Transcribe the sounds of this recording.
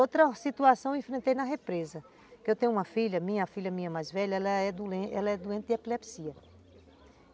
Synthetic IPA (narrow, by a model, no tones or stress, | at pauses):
ot̪ɾɐsit̪uasɐ̃w̃ẽfɾẽnt̪ejnɐɦepɾezɐ | kɪewt̪ẽɲʊũmɐfiʎɐmĩɲɐfiʎɐmĩɲɐmajzvɛʎɐɛlɐɛd̪uẽʔɛlɐɛd̪uẽt̪ɪd̪ɛpilɛpsiɐ